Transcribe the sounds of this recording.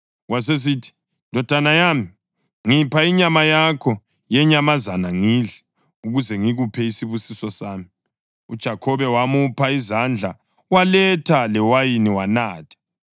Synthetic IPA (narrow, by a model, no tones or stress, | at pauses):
was̬es̬itʰi̥ | ndʱɔd̥ʱanajami | ŋipʰaiɲamajakʰɔ | jɛɲamazanaŋiɮɛ | uɣuzɛŋiɣupʰɛisiβusisɔsaːmi | ud̥ʒ̥ʱakʰɔβɛwamupʰaizand͡ɮʱa | walɛtʰalɛwajiniwanaːtʰḁ